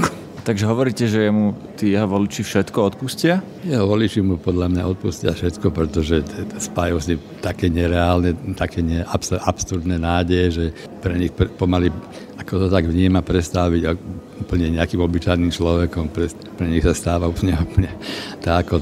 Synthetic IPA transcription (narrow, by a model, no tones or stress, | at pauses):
t̪aɡʒɛɦɔʋɔɾiːcɛʒɛjɛmut̪iːjɛɦɔʋɔlit͡ʃifʃɛt̪kɔɔt̪puscɪa | jɛɦɔʋɔlit͡ʃimupɔd̪ʎamɲaɔt̪̚puscɪafʃɛt̪kɔpɾɛt̪ɔʒɛspajusnim | t̪akɛːɲɛɾɛaːlnɛt̪akʰɛːɲɛʔapsapsuɾd̪nɛnaːɟɛjɛʒɛ | pɾɛɲixppɔmali | akɔt̪ɔt̪aɡʋɲiːmapɾɛst̪aʋiɟuuːpl̩ɲɛɲɛakimɔbit͡ʃajnimt͡ʃlɔʋɛkɔmpɾɛ | pɾɛɲixsast̪aːʋaupɲɛuplɲɛt̪aakɔ